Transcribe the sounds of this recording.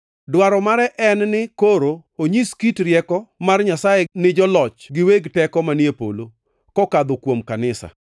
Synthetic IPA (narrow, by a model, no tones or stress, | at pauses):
dwaɾɔmaɾɛʔɛnnɪkoɾooɲiskitɾjɛkɔmarɲasajenɪd͡ʒɔlɔt͡ʃɡɪweɡtɛkɔmanjepo̰lo | kɔkad̪okwomkanɪsa̰